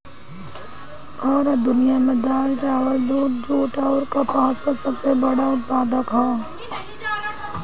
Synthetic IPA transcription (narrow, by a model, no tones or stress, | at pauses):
ɡɔːɾəd̪ʊnijamẽd̪aːlt͡ʃaːwəld̪uːʈd͡ʒuːʈaːɾkapaːt͡ʃkasɐbsebɐɽaʊt̪̚paːd̪əkɦɛː